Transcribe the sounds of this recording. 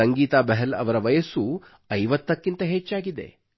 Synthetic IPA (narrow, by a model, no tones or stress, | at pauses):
ɐŋɡiːt̪aːbɐɦɐlɐ̰ʋɐɾɐʋɐjɐsu | ɐjʋɐt̪ːɐkːint̪ɐɦet͡ʃːaːɡid̪ḛ